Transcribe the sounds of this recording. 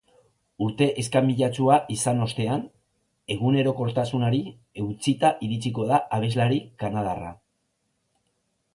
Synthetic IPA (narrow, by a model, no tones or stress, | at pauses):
uɾt̪e̞ʔeskamiʎat͡suaʔisano̞st̪e̞an | e̞ɣ̞une̞ɾo̞ko̞ɾt̪asunaɾi | e̞wt͡sit̪aʔiɾit͡sik̬o̞ðaaβ̞e̞zlaɾikanað̞ara̰